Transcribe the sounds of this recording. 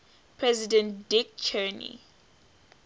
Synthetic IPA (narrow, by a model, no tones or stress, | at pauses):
pʰɹɛzidɛ̃nt̚dik̚t͡ʃʰɛnḭ